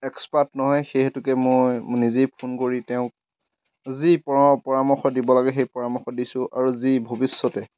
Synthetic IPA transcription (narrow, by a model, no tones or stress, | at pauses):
ɛkspatnɔɦɔjxeɦɛtʊkɛmojnizejpʰunkoɹitɛʊ̃k̚ | zipɔpɔɹamɔxɔt̚dibɔlaɡɛxejpɔɹamɔxɔdisʊ̃ʔa̰ɹuzibʱobisːɔtɛ